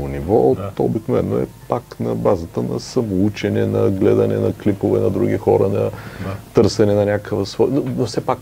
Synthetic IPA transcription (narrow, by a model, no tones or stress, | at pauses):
onivɔt̪o̰biknovɛnːoɛ̰paknɐbazət̪ənɐsɐmout͡ʃɛnɛnɐɡlɛd̪ɐnɛ̰nɐklipovɛnɐd̪ɾuɡ̟ʲixɔɾənɐt̪ɤɾsɛnɛnɐnʲakəvəsvɔjnonofsɛpak